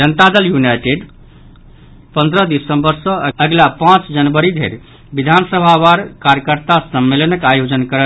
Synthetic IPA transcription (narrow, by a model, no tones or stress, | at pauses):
d͡ʒənt̪ad̪əljunajʈeɖ | pənd̪ɾəd̪isəmbəɾsə̃əɡlapãt͡ʃd͡ʒənbəɾid̪ʱḛɾ | bid̪ʱansəbʱabaɾkaɾjəkəɾt̪asəmːelənəkajod͡ʒənkəɾə